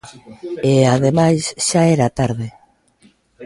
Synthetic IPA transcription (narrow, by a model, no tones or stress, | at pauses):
eaðemajsʃaɛɾat̪aɾðe